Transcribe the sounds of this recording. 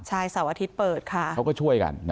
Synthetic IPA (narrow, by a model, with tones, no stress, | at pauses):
t͡ɕʰaː˧jsa˨˩˦wʔaː˧t̪ʰi˦˥t̪̚pɤː˨˩t̪̚kʰa˥˩a˦˥wkɔː˥˩t͡ɕʰu˥˩əjka̰˧nn